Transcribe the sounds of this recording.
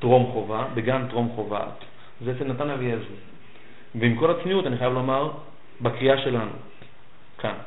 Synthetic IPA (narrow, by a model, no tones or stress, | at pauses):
tʁo̞mχo̞vabeɡamtʁo̞mχo̞va̰t | zeefenatanavijazu | veimko̞lat͡smiutaniχajavlo̞maʁ | bakʁiaʃe̞lanṵ | kʰan